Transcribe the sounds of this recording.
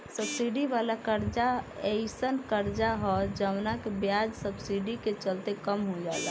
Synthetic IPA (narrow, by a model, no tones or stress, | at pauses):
səbsiɖiʋalakəɾd͡ʒaeɪsənkəɾd͡ʒaɦɔd͡ʒəʊnakebjad͡ʒsəbsiɖiket͡ʃəlt̪ekəmɦod͡ʒa̰ːla